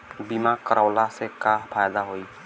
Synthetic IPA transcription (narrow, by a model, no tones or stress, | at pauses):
bimakʌɾawlasekapʰajd̪aɦoj